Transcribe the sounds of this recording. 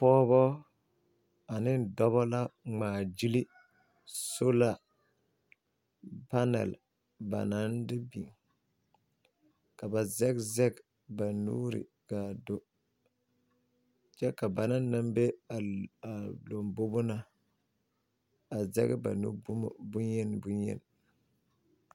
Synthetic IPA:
pɔː˦bɔ˦ | a˨nɪ˦dɔ˦βɔ˦la˦ŋ͡maː˨d͡ʒi˦li˦ | so˦la˦˨ | pa˦nɛ̰˨l | ba̰˨na˦ndɪ˦bi˨ŋ | ka˨ba˨zɛ˦ɡzɛ˦ɡ | ba˨nṵː˦ɾḭ˨ | ɡ̥a˨do˦ | t͡ʃɛ˦ka˨ba˨na˦nː˦a˦mbe˦a˨a˨lo˨mbo˦bʊ˦na˦ | a˨zɛ̰˦ɡba̰˨nṵ˦bbu˦jɛ˦n˦bu˦njɛ̰˦n˨

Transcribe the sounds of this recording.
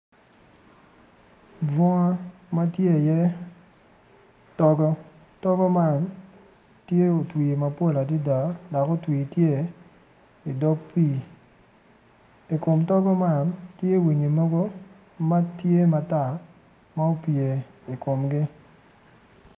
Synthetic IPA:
bɔ˦ŋa˦ma˦tje˦˨jɛ˦ | tɔ˦ɡɔ˦ | tɔ˦ɡɔ˦ma˦˨n | tje˦o˨twi˨ma˨po˦la˨di˦da˨da˨ko˦twi˨tje˦˨ | i˨dɔ˦kpi˦˨ | i˨kʊ˨mtɔ˦ɡɔ˦ma˦˨ntje˦˨wi˨ɲi˨mɔ˦ɡo˦ | ma˦tje˦ma˨ta˦˨ | ma˦o˦pje˨ | i˨ko˨mɡɪ˦

